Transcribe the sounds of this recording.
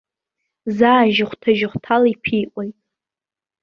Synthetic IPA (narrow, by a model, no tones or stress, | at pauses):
zaːʒɪχʷtʰaʒɪχʷtʰalipʰijʔʷʼojtʼ